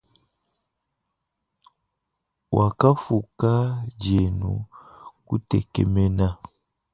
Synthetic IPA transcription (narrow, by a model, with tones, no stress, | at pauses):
wʔa˨ka˦fu˨ka˦d͡ʒe˨nṵ˨ku˦tɛ̰˨kɛ̰˨mɛ˦na˦